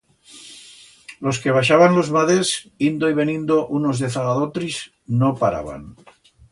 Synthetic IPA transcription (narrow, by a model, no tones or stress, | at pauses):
lo̞skeβ̞aʃ̬aβanlozβaðesind̪oiβ̞e̞nĩnd̪oʔunozðeθaɣaðot̪ɾis | nopaɾa̰βa̰n